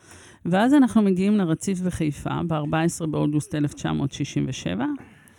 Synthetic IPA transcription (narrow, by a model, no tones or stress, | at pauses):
veazanaχnumeɡiimleʁat͡sifveχejfa̰beaʁbaesʁe̞beo̞d̪uste̞left͡ʃa̰mo̞̰ːtʃiʃimveʃe̞̰va